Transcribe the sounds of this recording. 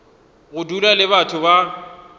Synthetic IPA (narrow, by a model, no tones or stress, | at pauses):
ɣʊdulalɪβatʰʊba